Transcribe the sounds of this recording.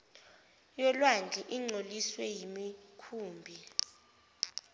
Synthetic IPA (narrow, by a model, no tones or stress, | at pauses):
jɛlwand͡ɮʱɛʔiŋ͡ǀoliswɛjimikʰuːmbʱi